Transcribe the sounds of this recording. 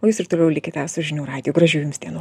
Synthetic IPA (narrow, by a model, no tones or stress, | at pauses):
oːjuːsɪɾt̪oːlʲɛʊlʲɪkʲɪːt̪ʲɛsʊʒʲɪnʲuːɾɑːd̪ʲɪjoːɡɾɐʒʲuːjmsd̪ʲiɛnu